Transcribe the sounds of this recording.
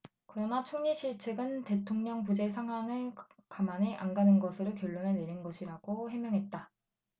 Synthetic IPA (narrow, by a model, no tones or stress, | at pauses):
kɯɾʌnat͡ɕʰoŋɲiɕiɭt͡ɕʰeɡɯnte̞tʰoŋɲʌŋpud͡ʑe̞sʰaŋɦwaŋɯɭkamaneʔanɡanɯnɡʌsʰɯɾokjʌɭːoneneɾinɡʌɕʰiɾaɡ̥ohemjʌŋɦet̚t͈a